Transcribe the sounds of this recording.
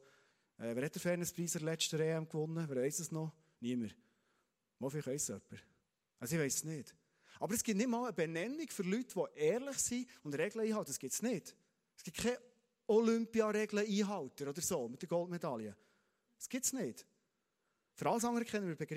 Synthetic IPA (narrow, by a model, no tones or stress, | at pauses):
ʔɛʋæːɾhɛt̚dəɾfɛːɾnəspɾiːsəlɛt͡ʃtəɾeːæmkʋʊnːəʋæːɾʋɛɪsəsnɔ | niəməɾ | mɔfɪχœɪsœpːəɾ | ɑsɪʋɛɪsəsnɪːt | ɑbəɾəsɡ̥ɪtnɪtmɑːləbɛnɛnːiɡfʏɾlytʋɔʔɛːɾlɪχsiʊndɾɛɡləiːhɑwt̪ːəsɡ̥ɪtsnɪːd̥ | ɛsɡ̥ɪtkʰɛ | ɔlʏmpiɑɾɛɡləiːɦɑwtəɾɔd̪əɾsoːmɪt̪dəɾɡɔltmɛd̪ɑljə | sɡ̥ɪtsnɪːt | føɾɑləs̬ɑŋəɾəkχɛnːənmɪɾbeɡɾ